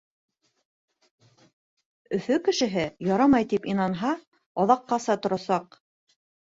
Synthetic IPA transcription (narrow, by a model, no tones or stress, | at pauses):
ɵ̆θɵkɘ̆ʃɘ̆ɦɘjɑɾɑmɑjt̪ipinɑnɦɑ | ɑðɑqːɑsɑt̪ŏɾɑsɑq